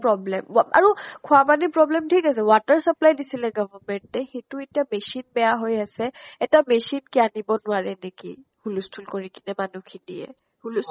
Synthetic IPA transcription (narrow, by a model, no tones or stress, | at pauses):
pɹɔblɛma̰ɹukʰʊapanipɹɔblɛmtʰikasɛwatəɹsaplajdisilɛɡɔvaɹmɛntɛxetuetijamesinbɛjaɦojasɛɛtamesinkianibɔnʊaɹɛnekḭhulustʰulkoɹikinɛmanukʰinḭjɛ̰ | hulus